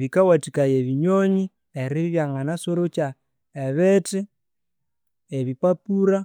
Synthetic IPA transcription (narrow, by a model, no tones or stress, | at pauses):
βikawatikajeβiɲoɲi | eɾiββjaŋanasoɾot͡ʃa | eβeti | eβipapuɾa